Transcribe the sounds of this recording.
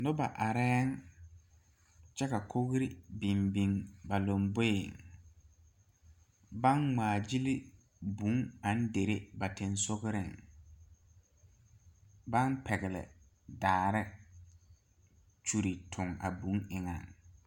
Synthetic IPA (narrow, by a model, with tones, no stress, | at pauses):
nʊ˦ba˨ʔa˨ɾɛ˦ŋ | t͡ʃɛ˦ka˨kʰo˦ɣɾɪ˦bi˨mbi˨ŋba˨lo˨mbo˦ɪ˨ŋ | ba˦nŋ͡maː˨d͡ʒi˦li˦ | bu˨˦ŋa˨n̩˦de˨ɾe˦ba˨tɪ˨nsʊ˦ɣɪ˦ɾɪ̰˦˨ŋ | ba˦npʰɛ˨ɣɪ˨lɪ̰˨ | daː˨ɾɪ˦ | t͡ʃu˨ɾi˨tʰʊ˨ŋa̰˨bũ˨˦ŋɪ˨ŋa̰˨ŋ